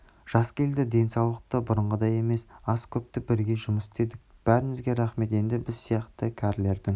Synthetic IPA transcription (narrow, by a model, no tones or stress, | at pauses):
ʒ̥ɑskʲʰe̞ld̪ɪd̪e̞nsɑwlˠəq̚t̪əbʊɾəɴʁəd̪ɑje̞me̞sɑskʲʰɵp̚t̪ɪbɪɾɡʲe̞ʒʊməsɪ̥t̪e̞d̪ɪk̚b̥æɾɪnɪzɡʲe̞ɾɑχme̞t̪e̞nd̪ɪbɪzsijɑqt̪əkʲʰæɾle̞ɾd̪ɪŋ